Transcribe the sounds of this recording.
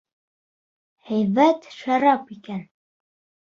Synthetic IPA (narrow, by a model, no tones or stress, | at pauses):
hæjβæt̪ʃɑɾɑpikæn